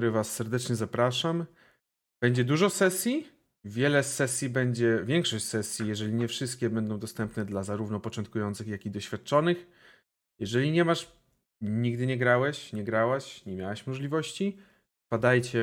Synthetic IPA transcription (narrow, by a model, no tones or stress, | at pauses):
ɾɘvasːɛɾd̪ɛt͡ʂɲɛzapɾaʂam | b̥ɛɲd͡ʑɛd̪uʐɔsɛsʲji | vʲjɛlɛsɛsʲjibɛɲd͡ʑɛvʲjɛŋkʂɔɕt͡ɕsɛsʲjijɛʐɛlʲiɲɛfʂɘst̪̚kʲɛbɛnd̪ɔ̃w̃d̪ɔst̪ɛmpnɛd̪lazaɾuvnɔpɔt͡ʂɔnt̪kujɔnt̪sɘxjakid̪ɔɕfʲjat̪̚t͡ʂɔnɘx | jɛʐɛlʲiɲɛmaʂ | ɲiɡd̪ɘɲɛɡɾawɛɕɲɛɡɾawaɕɲɛmʲjawaɕmɔʐlʲivɔɕt͡ɕi | pad̪ajt͡ɕɛ